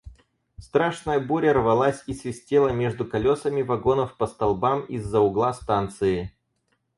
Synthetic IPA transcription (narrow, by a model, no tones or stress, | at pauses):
st̪ɾaʂnəjəbuɾʲərvɐlˠasʲisvʲɪsʲtʲelˠəmʲe̞ʐd̪ʊkɐlʲo̞səmʲɪvɐɡo̞nəfpəst̪ɐlˠbamizːəʊɡlˠast̪ant̪sɨɪ